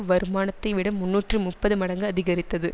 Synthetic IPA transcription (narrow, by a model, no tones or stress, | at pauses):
ʋɐɾɯmaːnɐt̪ːɐɪʋɪɽɐmːʊnːuːʈrɯmʊpːɐðɯmɐɽɐŋɡɯɐðɪɣɐɾɪt̪ːɐðɯ